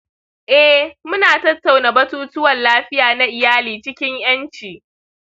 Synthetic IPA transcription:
ʔɛ˦hmʊ˦naː˨tɐ˦tːa˨wna˨bɐ˦tuː˦tʊ˦wɐ˨nlaː˦ɸɪ˦jaː˨na˦ʔɪ˨jaː˦liː˨t͡ʃɪ˦kʲɪ˦ɲj̰ɐ˦nt͡ʃiː˨

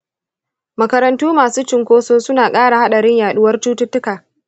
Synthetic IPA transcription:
mɐ˨kɐ˦ɾɐ˨ntuː˦maː˨suː˦t͡ʃɪ˨ŋkʷoː˦soː˦sʊ˦naː˨kʼaː˦ɽa˨ha˦ɗɐ˨ɽɪ˦ɲjaː˨ɗʊ˦wɐ˦rt͡ʃuː˦tʊ˦tːʊ˦kaː˨

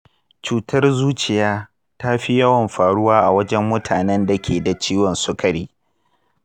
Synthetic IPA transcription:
t͡ʃuː˨tʰɐ˦rzuː˦t͡ʃɪ˨jaː˦ | ta˦ɸi˦jɐ˦wɔ˨mɸaː˨ɽʊ˦waː˦ʔa˨wɐ˦d͡ʒɛ˦mːʊ˦tʰaː˨nɛ˦nda˨kʲʰeː˨da˨t͡ʃiː˦wɔ˨nsʊ˦kʰɐ˨ɽiː˦

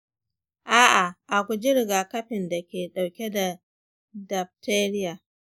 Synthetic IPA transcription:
ʔaː˦ʔa˨ʔa˨kʷu˨d͡ʒɪ˦ɾɪ˨ɡaː˨kɐ˦ɸɪ˨nda˨kʲeː˨ɗa˨wkʲe˦da˨ | dɐ˨b̚tʰeː˦ɾɪ˦jaː˨

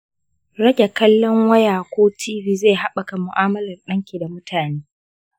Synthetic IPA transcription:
ɽɐ˦ɡʲe˨kɐ˦lːɔ˦ŋwɐ˦jaː˨kʷoː˦tʰiː˦viː˦zeː˦˨ɦa˦ɓɐ˨ka˨mʊ̰˨ʔaː˦mɐ˦lɐ˨rɗɐ˦ŋkʲiː˨da˨mʊ˦tʰaː˨neː˦

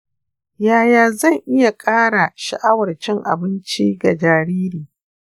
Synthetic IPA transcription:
jaː˨jaː˨zɐ˦˨ŋʔɪ˦ja˨kʼaː˦ɽa˨ʃɪ̰˦˨ʔa˦wɐ˨rt͡ʃɪ˦ŋʔa̰˨bɪ˦nt͡ʃiː˦ɡa˨d͡ʒaː˨ɾiː˦ɾiː˨

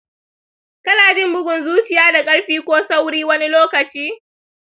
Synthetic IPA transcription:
kɐ˦naː˨d͡ʒɪ˦mbʊ˦ɡʷʊ˨nzuː˦t͡ʃɪ˨jaː˦da˨kʼɐ˦ɽɸiː˦kʷoː˦sa˦wɽiː˦wɐ˦ni˦loː˦kɐ˨t͡ʃiː˦

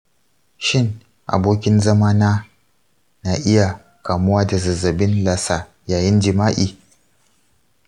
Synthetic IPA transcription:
ʃɪ˦˨ŋ | ʔa̰˨boː˦kʲɪ˦nzɐ˦maː˦naː˦ | na˨ʔɪ˦ja˨ | kaː˨mʊ˦waː˦da˨zɐ˨zɐ˨bɪ˦nla˨saː˨ | jaː˨jɪ˦nd͡ʒɪ˨maː˦ʔiː˨

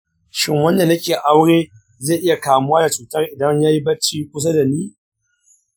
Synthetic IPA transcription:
ʃɪ˦ŋwɐ˦nda˨nɐ˦kʲeː˨ʔa˦wɽeː˦ | zeː˦˨ʔɪ˦ja˨kaː˨mʊ˦waː˦da˨t͡ʃuː˨tɐ˦rʔɪ˨dɐ˦ɲjaː˦ji˦bɐ˦t͡ʃiː˦kʷʊ˦s̬a˦da˨niː˦

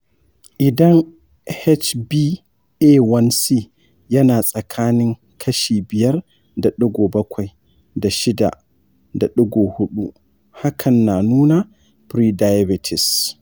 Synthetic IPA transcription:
ʔɪ˨dɐ˦ŋ | hɛ˦t͡ʃbi˦ | ʔe˦wɐ˦nsi˦ | jɐ˦naː˨sʼɐ˨kʰaː˦nɪ˦ŋ | kʰɐ˦ʃiː˨bɪ˨jɐ˦r | da˨ɗʊ˦ɡoː˨bɐ˦kʷa˨j | da˨ʃɪ˦da̰˨ | da˨ɗʊ˦ɡo˨hʊ˦ɗu˦ | ha˦kʰɐ˨nːa˨nuː˦na˨ | pɾi˦da˨˦ja˦bɪ˨tʰɪ˨s

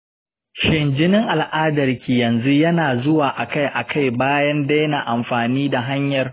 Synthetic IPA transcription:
ʃɪ˨nd͡ʒɪ˦nɪ˦ŋʔa˨lʔaː˦dɐ˨rkʲiː˨jɐ˨nzu˦jɐ˦naː˨zʊ˦waː˨ʔa˨ka˦jʔa˨kʰa˦˨jbaː˦jɐ˦nda˦jnaː˨ʔa˨mɸaː˨niː˦da˨ɦa˦ɲjɐ˨r

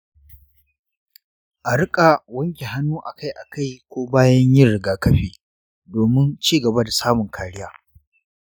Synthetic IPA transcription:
ʔa˨ɽɪ˦kʼa˨wɐ˦ŋkʲi˨ɦa˦nːuː˦ʔa˨ka˦jʔa˨ka˦˨jkʷoː˦baː˦jɐ˦ɲjɪ˦ɽɪ˨ɡaː˨kɐ˦ɸiː˨ | doː˨mɪ˦nt͡ʃiː˦ɡɐ˨ba˦da˨saː˦mʊ˨ŋkʰaː˨ɽɪ˦jaː˦

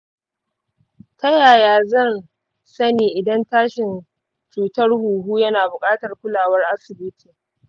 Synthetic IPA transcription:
tɐ˦jaː˨jaː˦zɐ˦˨n | sɐ˦niː˨ʔɪ˨dɐ˦ntaː˦ʃɪ˨n | t͡ʃuː˨tɐ˦rhuː˨ɦuː˦jɐ˦naː˨bʊ˨kʼaː˦tɐ˨rkʷʊ˦laː˨wɐ˦rʔa˦sɪ˨bɪ˦tʰiː˨

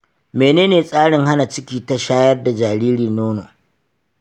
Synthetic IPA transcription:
meː˨neː˦neː˨sʼaː˦ɽɪ˨ŋha˦na˨t͡ʃɪ˦kʲiː˨ta˨ʃaː˦jɐ˦rda˨d͡ʒaː˨ɾiː˦ɾiː˨noː˦no̰˨

